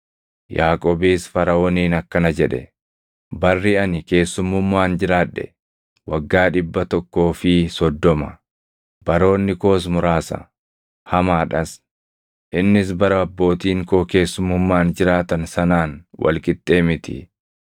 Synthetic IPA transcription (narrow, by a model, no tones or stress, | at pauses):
jaːkʼoːbiːsfɐɾɐoniːnɐkːɐnɐd͡ʒɛᶑɛ̰ | bɐrːɪɐnɪke̞ːsːʊmːʊmːaːnd͡ʒɪɾaːᶑɛ̰ | wɐɡːaːᶑɪbːɐt̪ɔkːo̞ːfɪsɔd̪ːɔmɐ | b̥ɐɾo̞ːnːɪko̞ːs̬mʊɾaːsɐ̰ | hɐmaːᶑɐs | ʔɪnːɪsbɐɾɐɐbːo̞ːt̪iːŋkoːke̞ːsːʊmːʊmːaːnd͡ʒɪɾaːt̪ɐnsɐnaːnwʔɐ̰lkʼɪt̪ʼːe̞ːmɪt̪ɪ̰